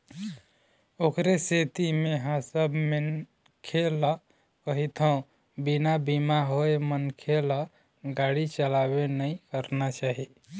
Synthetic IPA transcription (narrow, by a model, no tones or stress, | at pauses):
okɾeset̪imeɦãsəbmən | kʰela | kəɦit̪ʰɦəũ | binabimaɦoemənkʰela | ɡaɽit͡ʃəlabenəikəɾnat͡ʃaɦi